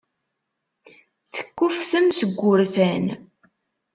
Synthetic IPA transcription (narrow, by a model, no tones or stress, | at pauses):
θə̥kːufθəmsəɡʷːʊɾfæn